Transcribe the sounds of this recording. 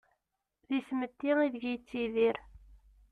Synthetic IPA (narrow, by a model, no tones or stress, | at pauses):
ðismət̪ːiʁiðəʝjt͡sːiðiɾ